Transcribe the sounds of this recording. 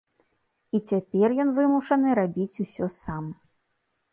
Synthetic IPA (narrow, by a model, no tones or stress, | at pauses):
it͡sʲapʲɛrjɔnvɨmuʂɐnɨɾabʲit͡sʲusʲɔsam